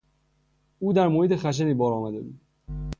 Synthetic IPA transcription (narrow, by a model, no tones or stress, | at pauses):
uːd̪æɾmohiːt̪ʰexæʃ̬eniːbɒːɾɒːmæd̪ebṵːd̪̥